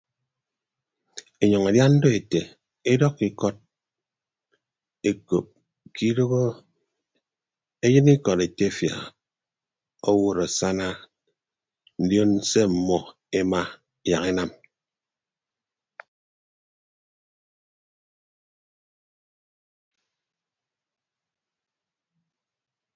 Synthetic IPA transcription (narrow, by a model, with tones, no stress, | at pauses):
e˨ɲɔ˨ŋa˨dja˦n̩˦do˦e˨te˨ | e˦dɔ˦kːi˨kɔ˦t̚ | e˨ko˨p̚ | kʰi˦do˦ɣo˦ | e˦jɨ˦ni˦kɔ˨ɾe˨te˦˨fja̰˨ | o˦wo˨ɾo˨sa˦na˦ | n̩˦djo˦n˦se˦m̩˨mɔ˨ | e˦ma˦˨ | ja˨ke˦na˦m